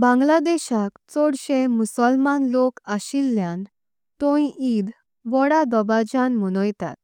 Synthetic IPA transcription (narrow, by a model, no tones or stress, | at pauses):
bãŋɡlad̪eɕakt͡sɔɽɕemusəlmanlokaɕilːjãn | t̪ɔiʔid̪ | ʋɔɽad̪ɔbad͡ʑanməñɔjt̪a̰t̪̚